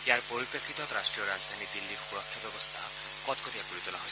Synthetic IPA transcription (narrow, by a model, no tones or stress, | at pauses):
ejaɾpoɾipekʰːit̪ɔt̪ɾasʈɾijɔɾad͡zd̪ʱanid̪ilːiɾxuɾɔkʰːjɔbjɔbɔst̪ʰa̰ | kɔt̪kɔt̪ijakuɾit̪ɔlaɦõjs